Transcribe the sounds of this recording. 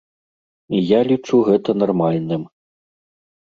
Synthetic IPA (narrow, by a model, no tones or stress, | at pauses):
ijalʲit͡ʂuɣɛt̪ɐnarmalʲnɨm